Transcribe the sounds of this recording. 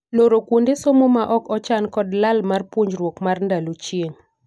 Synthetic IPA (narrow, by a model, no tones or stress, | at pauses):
noɾokwundesomomaʔɔkɔt͡ʃankɔdlalmarpwoɲd͡ʒɾwokmarndalot͡ʃjeŋ